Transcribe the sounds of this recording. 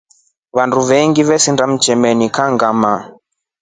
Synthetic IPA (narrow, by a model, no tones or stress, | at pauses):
βanduβɛŋɡiβɛsindam̩t͡ʃɛmɛnikaŋɡama